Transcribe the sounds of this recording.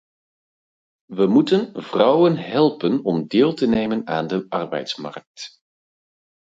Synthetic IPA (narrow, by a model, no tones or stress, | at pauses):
ʋəmutənvrɑwənɦɛlˠpənɔmdɪːlˠtənejmənaːndəʔɑrbɛ̰jtsmɑ̰rk̚t